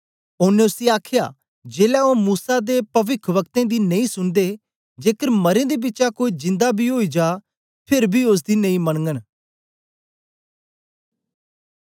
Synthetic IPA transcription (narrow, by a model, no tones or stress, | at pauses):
ʊnːẽʊsiaːkʰja̰ː | d͡ʒeːlaomuːsad̪eːpɐʋɪkʰʋəkt̪ẽːd̪iːnɐĩsʊnd̪eː | d͡ʒeːkəɾməɾẽːd̪ebɪtːt͡ʃakoːid͡ʒɪ̃nd̪abʱiɦoːiːd͡ʒaː | pʰeɾbʱiʊs̬d̪iːnə̃ĩməɽ̃ŋɡən